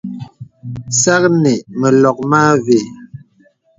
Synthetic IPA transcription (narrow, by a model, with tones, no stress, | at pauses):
sa˦k̚ne˨mə˨lɔ˨k̚maː˦ve˨